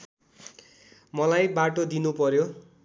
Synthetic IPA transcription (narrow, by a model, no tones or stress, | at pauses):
mʌlajbaʈod̪inupʌɾjo